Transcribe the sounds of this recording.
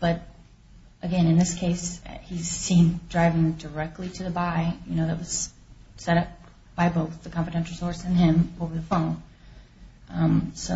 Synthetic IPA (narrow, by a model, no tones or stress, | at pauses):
b̥ʌɾ | ʔɨɡɛ̃nɨ̃nðɪskʰeɪshiz̥sĩndɹaɪvɪ̃ŋdə˞ɛk̚tʰˡliɾɨðɨbaɪjɨñoʊðɨt̚wʌz̥ | sɛɾʌp̚ | b̥aɪboʊθðɨkʰɑ̃ɱfɨdɛ̃nʃl̩ˠsɔɹsɨ̃nɪ̃moʊvə˞ðəfõʊ̃n | ʔʌ̃msoʊ